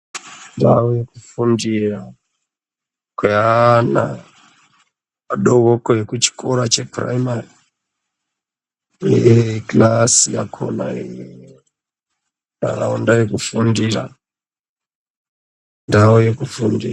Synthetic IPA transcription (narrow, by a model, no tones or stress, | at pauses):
ndawojekufundira | kweana̰ | aɗoɣokoekut͡ʃi̥kʰoɾat͡ʃe̞pra̰imari | eeklasijakʰo̰na̰ijjo | a̰kaondajekufundira̰ | ndaojekufundḭ